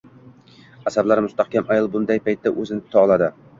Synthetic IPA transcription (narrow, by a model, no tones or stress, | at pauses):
asablaɾmʊst̪ahkʲamajɒlˠbʊnd̪ajpʰajt̪ːaʔɵzɪnɪk̪ʰʊ̥t̪ʰaɒlˠad̪ɪ